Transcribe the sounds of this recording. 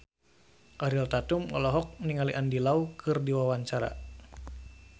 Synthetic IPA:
ʔaɾilt̪at̪umɔ̰lɔɦɔk̚niŋaliʔandilaukʰɨrdiwawaɲt͡ʃaɾa̰

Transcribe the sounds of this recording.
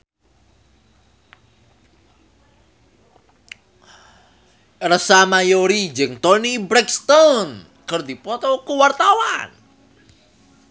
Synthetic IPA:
rəsamajoɾid͡ʒɨŋt̪ɔnibɾɛkst̪ɔn | kərd̪ipɔt̪ɔkuwart̪awa̰n

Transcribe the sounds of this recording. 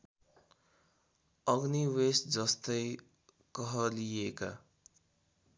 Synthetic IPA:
ʌɡniwesd͡zʌst̪ʌj | kʌɦʌlieka

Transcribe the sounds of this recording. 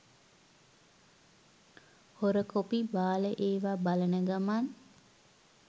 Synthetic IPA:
hoɾəkopibaːləʔeːʋabalənəɡaman

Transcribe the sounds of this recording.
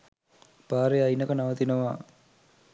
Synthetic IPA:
paːɾeajnɐkənaʋɐt̪inɐʋaː

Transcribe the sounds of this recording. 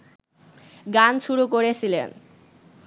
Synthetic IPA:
ɡanʃuɾukoɾet͡ɕʰilḛn

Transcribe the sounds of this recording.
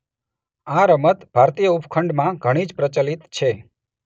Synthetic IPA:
ãɾəmət̪bʱaɾt̪ijəupkʰəɳɖmãɡʱəɽ̃id͡ʒpɾət͡ʃəlit̪t͡ʃʰe

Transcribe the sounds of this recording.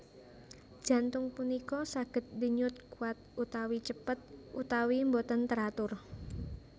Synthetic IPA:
d̥ʒ̥a̤nt̪ʊŋpunikɔsaɡ̥ə̤t̪̚diɲʊt̪̚kuat̪̚ut̪awit͡ʃəpət̪̚ʔut̪awimbot̪ənt̪əɾat̪ʊr

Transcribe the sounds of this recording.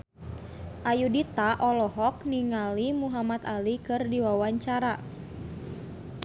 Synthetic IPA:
ʔajudit̪aʔɔlɔɦɔk̚niŋalimuɦamat̪alikɨrdiwawaɲt͡ʃaɾa

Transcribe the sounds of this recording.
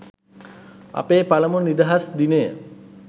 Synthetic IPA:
a̰peːpaləmunid̪aɦasd̪inejə

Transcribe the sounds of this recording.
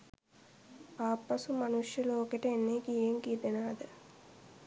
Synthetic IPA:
paːpːɐsumanuʂjəloːkeʈəenːeːkijeŋɡiːd̪enaːd̪ə

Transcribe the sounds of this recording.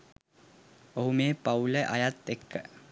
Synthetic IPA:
oɦumeːpauləʔa̰jat̪ːekʰːə

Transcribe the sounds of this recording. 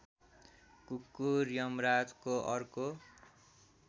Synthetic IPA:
kukːurjʌmrad͡zkoʔʌrko

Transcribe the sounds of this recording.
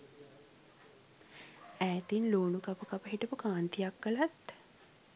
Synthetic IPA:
æːt̪inloːnukapəkapəɦiʈəpukaːnt̪ijakːəlat̪

